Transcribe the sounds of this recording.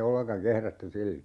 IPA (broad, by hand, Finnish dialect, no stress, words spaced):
olːeŋkɑŋ kehrætːy silːo